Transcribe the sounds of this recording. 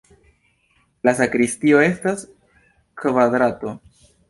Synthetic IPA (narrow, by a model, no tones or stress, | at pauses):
lasakɾistio̞e̞stas | kvad̪ɾato̞